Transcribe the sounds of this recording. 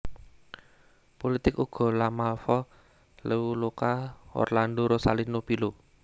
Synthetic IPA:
polit̪ɪkuɡ̥ɔ̤lamalfɔ | leulokaɔ̰rlandoɾosalinopilo

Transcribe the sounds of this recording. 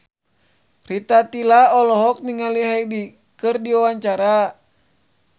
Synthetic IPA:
rit̪at̪ilaɔlɔɦɔk̚niŋaliɦaidi | kɨrdiawaɲt͡ʃaɾa

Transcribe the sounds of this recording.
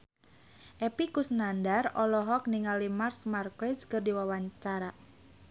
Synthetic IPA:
ʔɛpikusnandarɔlɔɦɔk̚niŋalimarsmarkɛskɨrdiwawaɲt͡ʃaɾa

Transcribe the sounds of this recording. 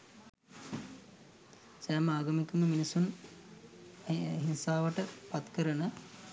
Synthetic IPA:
sæːməaːɡɐmikəməminisun | ɦinsaːʋəʈəpat̪kəɾənə

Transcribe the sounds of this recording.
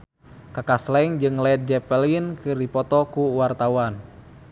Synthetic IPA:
kakaslɛŋd͡ʒɨŋlɛt̪̚d͡ʒɛpɛliinkɨrdipɔt̪ɔkuwart̪awan

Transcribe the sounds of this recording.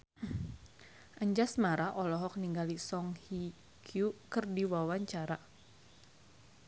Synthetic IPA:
ʔəɲd͡ʒasmaɾaʔɔlɔɦɔk̚niŋɡalisɔŋhi | kʰjukɨrdiwawaɲt͡ʃaɾa

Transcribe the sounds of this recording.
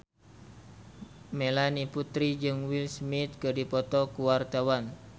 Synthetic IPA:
melaniput̪ɾid͡ʒɨŋwilsmit̪̚kədipɔt̪ɔkuwart̪awan

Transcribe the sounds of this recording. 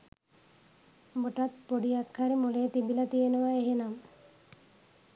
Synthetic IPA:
buʈɐt̪̚poɽijakʰːaɾimulet̪ibilɐt̪ijenuʋɐeɦenam

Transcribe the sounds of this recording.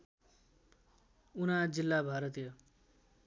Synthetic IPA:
unad͡zilːabʱaɾʌt̪ijʌ

